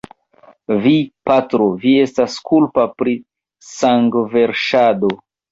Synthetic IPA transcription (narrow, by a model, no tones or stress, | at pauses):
vipatɾovie̞staskulpapɾi | saŋɡve̞ɾʃado